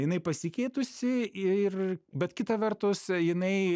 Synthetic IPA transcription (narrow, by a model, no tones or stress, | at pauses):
jɪnɐɪpɐsʲɪkʲɛɪt̪ʊsʲɪɪrbʲɛt̪kʲɪt̪ɐʋʲɛrt̪ʊsjɪnɐɪ